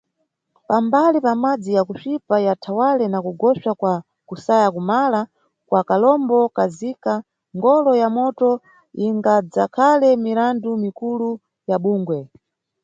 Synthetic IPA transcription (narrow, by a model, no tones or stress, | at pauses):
pambalipamad͡zijakut͡ʃipajatʰawalɛnakuɡɔʃakwa | kusajakumala | kwakalɔmbɔkazika | ŋɡɔlɔjamɔtɔ | iŋɡad͡zakʰalɛmiɾandumikulu | jaɓuːŋɡwɛ